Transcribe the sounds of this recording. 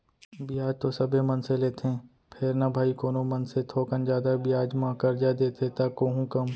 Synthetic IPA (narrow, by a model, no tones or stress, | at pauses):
bʱiaːd͡ʒt̪osɐbʱemɐnseleːt̪eɦɛ̃ | pʰɪɾnabʱaːikoːnomɐ̃nset̪ʰoːkənd͡ʒaːd̪abʱiaːd͡ʒmãkəɾd͡ʒad̪eːt̪et̪akoːɦũkɐm